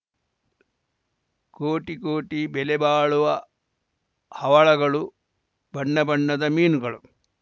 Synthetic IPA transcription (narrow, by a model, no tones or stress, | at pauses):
koːʈikoːʈibɛlɛbaːɭuʋɐ | hɐʋɐɭɐɡɐɭu | bʱɐɳːɐbɐɳːɐd̪ɐmiːnuɡɐɭu